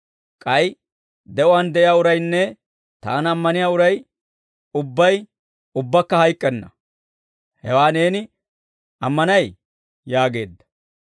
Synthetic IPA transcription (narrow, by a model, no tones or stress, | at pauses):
kʼɐj | d̪ɛʔɔwand̪ɛʔɪjaːʊɾɐjnːɛ | t̪a̰ːnɐmːɐnɪjaːʊɾɐj | ʊbːɐj | ʊbːɐkːɐhɐjkʼːɛnːɐ | hɛwaːne̞ːnɪ | ʔɐmːɐnɐj | jaːɡe̞ːd̪ːɐ̥